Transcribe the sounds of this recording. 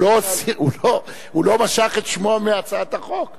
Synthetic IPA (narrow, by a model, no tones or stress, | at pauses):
osiulo | hulo̞maʃaχet̪ʃmoameat͡saat̪aχok